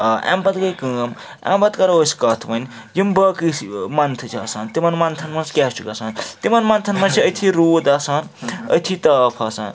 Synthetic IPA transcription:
a̰mbɐt̪kɐjkəːm | a̰mbɐt̪kɐɾoskɐt̪ʰmɐnʲ | jimbɐkɨsmɐnt̪ʰɨt͡ʃʰiɐsaːnt̪imɐnmɐnt̪ʰɐnmɐnskʲɛːst͡ʃukasaːnt̪imɐnmɐnt̪ʰɐnmɐnt͡sʰiəjt̪ʰiɾoːd̪asan | ɐ̰jt̪ʰit̪ɐːpʰasa̰ːn

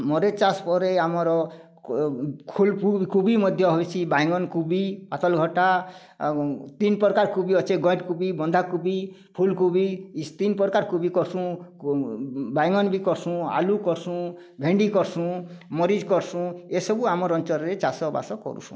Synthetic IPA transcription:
mɔɾet͡ʃaspɔɾeamɔɾɔ | kʰulpukubimɔd̪ʱjɔɦobet͡ʃʰibajŋɔnkubipat̪ɔlɡʱɔʈa | t̪inpɔɾkaɾkubiɔt͡ʃeɡɔ̃jʈkubibɔnd̪ʱakubi | pʰulkubist̪inpɔɾkaɾkubikɔɾsũ | bajŋɔnbikɔɾsũa̰lukɔɾsũ | bʱeɳɖikɔɾsũmɔɾid͡ʒkɔɾsũesɔbuamɔɾɔnt͡ʃɔɾɾet͡ʃasɔba̰sɔkɔ̰ɾṵsṵ̃

